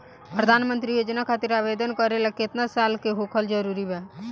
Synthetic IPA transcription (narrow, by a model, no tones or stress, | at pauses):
pɾəd̪ʱanmənt̪ɾijod͡ʒnakʰat̪iɾabed̪ənkəɾelaket̪nasalkeɦokʰəld͡ʒəɾuɾibɛ